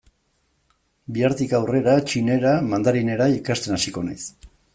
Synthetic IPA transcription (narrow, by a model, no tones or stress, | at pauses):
biaɾt̪ikawre̞ɾat͡ʃine̞ɾamand̪aɾine̞ɾaikast̪e̞nasiko̞na̰js